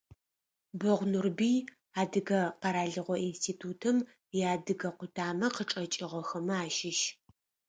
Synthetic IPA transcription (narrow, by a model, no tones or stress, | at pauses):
bɔʁʷnurbiː | aːdɨɡɐqɐɾaːɮɨʁʷɔinstʰiːtʰuːtʰɨm | jaːdɨɡɐqʷʊtʰaːmɐqəʈ͡ʂʼɐt͡ʃʼɪʁɔxɐmɐaːʃɪʃ